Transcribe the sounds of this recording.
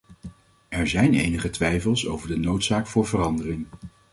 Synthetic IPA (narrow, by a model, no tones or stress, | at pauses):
ɛɹzɛjnḛjnəχətʋɛjfəlˠso̰wvəɹdənowtsaːkfʊːɹvərɑndərɪŋ